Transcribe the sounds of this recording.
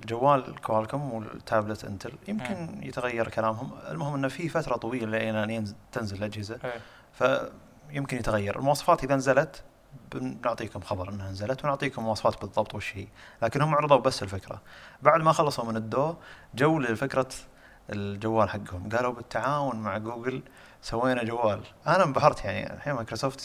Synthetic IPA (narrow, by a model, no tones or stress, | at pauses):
ld͡ʒawːaːlkwaːlkʊmwɪt̪ʰːaːblɪt̪ʔɪ̰nt̪ʰɪljɪmkɪnjɪt̪ɣajːɑɾˤkalaːmɦʊmɪ̰lmʊhɪmʔɪnːafifat̪ɾˤɑt̪ˤɑwiːlalʔeːnaʔnt̪ɪnzɪllʔad͡ʒhɪza | fa | jɪmkɪnjɪt̪ɣajːɑɾˤʔɪ̰lmʊwɑːsˤɑ̥faːt̪ʔɪðanazalat̪ | bnʊʕt̪ˤiːkʊmxɑbɑɾˤʔɪnːhanzalat̪wnʊʕt̪ˤiːkʊmːʊwɑːsˤɑfɑːt̪bɨðˤːɑbt̪ˤwɪʃːiːlaːkɪnhʊmːʊʕɾɨðˤuːbasːɪlfɪkɾa̰baʕd̪maxɑlːɑsˤumɪnɪd̪ːoːd͡ʒawːlɪlfɪkɾˤa | ɪld͡ʒawːaːlħaɡːhʊmɡaːlubɪt̪ʰːaʕaːwʊnmaʕɡuːɡɪl | sawːeːnad͡ʒawːaːlʔanabaɦɑɾˤt̪jaʕnḭħamakɾosoːft̪